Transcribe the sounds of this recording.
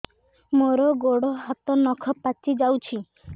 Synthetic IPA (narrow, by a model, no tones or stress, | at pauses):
moɾɔɡoɽɔɦɔt̪ɔnɔkʰɔpat͡ʃid͡ʒawt͡ʃʰi